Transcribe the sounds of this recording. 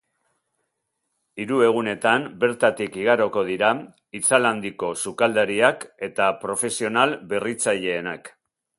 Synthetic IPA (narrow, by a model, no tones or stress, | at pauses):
iɾue̞ɣ̞une̞t̪ambe̞ɾt̪at̪ikiɣ̞aɾo̞ko̞ð̞iɾa | it͡saland̪iko̞sukald̪aɾiake̞t̪apɾo̞fe̞sio̞nalbe̞rit͡saʎe̞ːnak